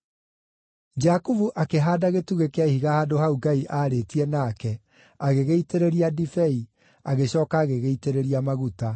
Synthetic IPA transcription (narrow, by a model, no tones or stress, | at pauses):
d͡ʒakuvuʔakeɦaːdaɣetuɣekeaihiɣahaːdohauɡaiʔaːɾeːtiɛnaːkɛ | aɣeɣeiteɾeɾiadifɛi | aɣeɕɔːkaːɣeɣeiteɾeɾiamaɣuta